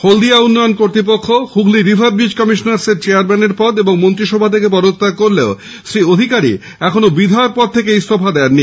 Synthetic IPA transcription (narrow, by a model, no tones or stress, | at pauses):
hold̪iaunːɔjonkoɾt̪ɾip̬okʰːohuɡliɾibʱab̚bid͡ʑkɔmiʃonaɾseɾt͡ɕeaɾmɛneɾpɔd̪eboŋmont̪ɾiʃɔbʱat̪ʰekepɔd̪ot̪ːakoɾleo | sɾiod̪ʱikaɾḭ | ɛkʰonobid̪ʱaeok̚pɔd̪̚t̪ʰekeijst̪ʰopʰad̪ɛaɾni